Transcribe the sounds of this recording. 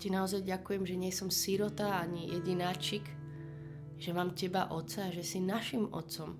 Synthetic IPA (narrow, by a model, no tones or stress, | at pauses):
cinaɔzajɟakujɛmʒɛɲɪɛsɔmsiɾɔt̪aaɲijɛɟinaːt͡ʃik | ʒ̥ɛmaːmcɛba̰ʔɔt̪saːʒɛsinaʃimɔ̰t̪sɔm